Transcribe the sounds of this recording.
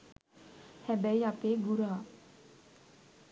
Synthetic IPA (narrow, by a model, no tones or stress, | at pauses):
hɛbɛiapeːɡuɾaː